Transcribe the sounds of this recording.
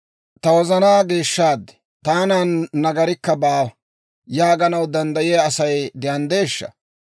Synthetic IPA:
t̪ɐwɔzɐnaːɡe̞ːʃːaːd̪ːɛ̥ | t̪aːnaːnːɐɡɐɾɪkːɐbaː | jaːɡɐnɐwd̪ɐnd̪ɐjɛjaːsɐjd̪ɪjɐnd̪e̞ːʃːɐ̰

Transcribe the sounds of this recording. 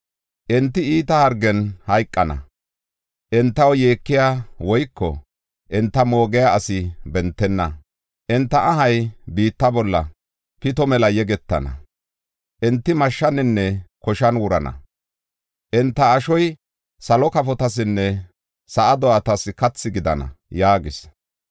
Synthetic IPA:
ʔɛnt̪ːɪiːt̪ɐhɐɾɡɛnhɐjkʼːɐnɐ̰ | ʔɛnt̪ːɐwjeːkːɪjawɔjkʰːɔ̰ | ʔɛnt̪ːɐmo̞ːɡɛjaːsɪbɛnt̪ːɛnːɐ | ʔɛnt̪ːɐʔɐɦɐjbiːt̪ːɐbɔlːɐ̰ | pɪt̪ɔmɛlɐjɛɡɛt̪ːɐ̰nɐ̰ | ʔɛnt̪ːɪmɐʃːɐnɪnːɛkɔʃɐnwʊɾɐnɐ̰ | ʔɛnt̪ːɐːʃɔj | sɐlɔkɐfɔt̪ɐs̬ɪnːɛ | sɐʔɐd̪ɔat̪ɐsɪkɐt͡sːɪɡɪd̪ɐnɐ̰jaːɡɪs

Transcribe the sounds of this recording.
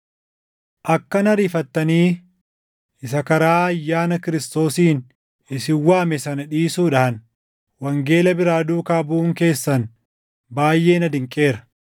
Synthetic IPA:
ʔɐkːɐnɐɾiːfɐt̪ːɐniː | ɪsɐkɐɾaːɐjːaːnɐkɪɾɪst̪o̞ːsiːn | ɪsɪwːaːmɛsɐnɐᶑiːsuːᶑɐhɐn | wɐŋɡe̞ːlɐbɪɾaːd̪uːkaːbuːŋke̞ːsːɐn | baːjʔe̞ːnɐd̪ɪŋkʼe̞ːɾɐ̥

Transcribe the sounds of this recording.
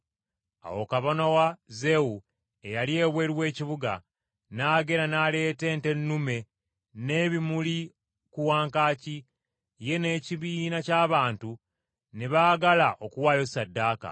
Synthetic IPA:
a̰wo̞kaβonowaze̞wu | e̞jalie̞ːβwe̞ːɾiwe̞ːciβuɡa̰ | naːɡe̞ɾanale̞ːte̞ːnte̞nːume̞ | ne̞ːβimuli | kuwaːŋkaːci | je̞ne̞ːciβiːnacaːβaːntu | neβaːɡalaʔo̞kuwaːjo̞sadːaːka̰

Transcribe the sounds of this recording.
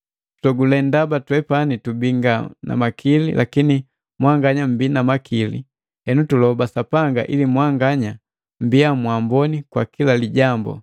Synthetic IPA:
tu̥tɔɡulɛndabatwɛpanitubiŋɡana̰makʰilḭlʔakini | mwaŋɡaɲam̩binamakilḭ | hɛnutulɔbasapaŋɡa̰ʔilimwaŋɡaɲa | m̩biamwambɔnikwakilaliɟambɔ̰

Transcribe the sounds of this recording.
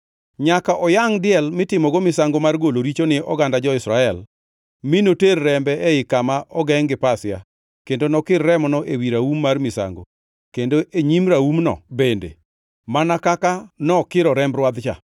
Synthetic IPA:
ɲakaʔɔjaŋdɪɛlmɪtɪmɔɡɔmɪsaŋɡomarɡoloɾit͡ʃonɪɔ̰ɡandad͡ʒɔɪsɾaɛl | mɪnoterːɛmbɛʔɛɪkamaʔɔɡɛŋɡɪpasɪa̰ | kendonɔkɪrːɛmɔnɔʔewiɾaumːarmɪsa̰ŋɡo̰ | kendoʔeɲimɾaumnɔ̰bendḛ | manakakanɔkɪɾɔɾɛmbɾwad̪t͡ʃa̰

